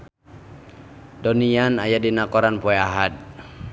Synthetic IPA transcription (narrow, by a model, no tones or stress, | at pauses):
dɔnianajadinakɔɾanpɔɛaɦad̪̚